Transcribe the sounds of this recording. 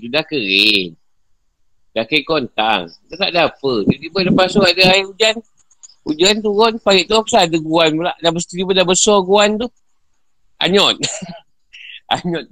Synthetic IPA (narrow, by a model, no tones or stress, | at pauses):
d͡ʒudahkəɾɪn | dakəkɔnt̪a̰ŋdat̪aʔdapədidibələpasuadəaiud͡ʒan | ud͡ʒant̪uɣɔnpaɡiʔt̪uapəsadəɡuanpəla̰ʔdabəst̪itibədabəsɔɡuant̪u | ʔa̰ɲɔt̪̚ | a̰ɲɔt̪̚